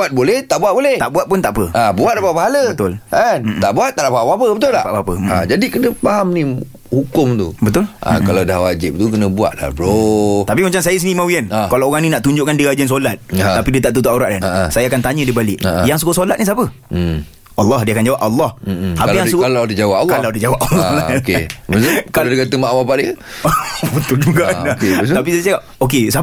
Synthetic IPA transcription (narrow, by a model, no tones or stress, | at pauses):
at̪̚bolɛht̪aʔbuabolɛht̪aʔbuwat̪̚pʊnt̪aʔpəabuat̪̚lapapaɦaləbət̪ʊlant̪aʔbuat̪ːaʔlapapapəbət̪ʊla̰hpa̰ʔapə̰d͡ʒadikənə̃paɦamnĩ | hukʊmt̪ṵbət̪ʊlã̰kalawdahwad͡ʒɪp̚t̪uk̬ənə̃bua̰t̪̚la̰bɾot̪apimat͡ʃamsajəsinimãwiɛnkalaoɣaŋnĩnaʔt̪uɲd͡ʒʊʔkandiɾad͡ʒəns̬olat̪̚apidiət̪aʔt̪̬ut̪uʔoɾaʔdanasajakant̪aɲə̃dibalɪʔaʔjaŋs̬ukosolat̪̚nĩs̬apə | ɑlːɑhdiəakand͡ʒawap̚alːɑh̩apəjaŋsukalawdad͡ʒawaalkalawdad͡ʒawap̚alːɔhlakebəskaladakat̪əmaʔwapaʔdiə | bət̪ʊld͡ʒuɡadak̪apissaa | okesa